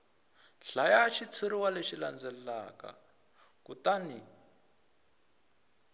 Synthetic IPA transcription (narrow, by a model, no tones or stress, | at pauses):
ɬajaʃit͡sʰiɾiwaleʃiland͡zɛa̰ka̰ | kutani